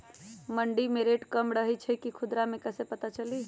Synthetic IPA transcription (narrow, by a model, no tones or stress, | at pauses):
məɳɖimeɾeʈkəmɾəɦɛt͡ʃʰɛkikʰud̪ɾamekəsepət̪at͡ʃəli